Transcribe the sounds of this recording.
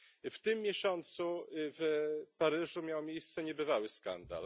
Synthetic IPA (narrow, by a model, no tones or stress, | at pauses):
ft̪ɘmːjɛɕɔnt̪suvpaɾɘʐumʲjawmʲjejst̪sɛɲɛbɘvawɘska̰nd̪a̰l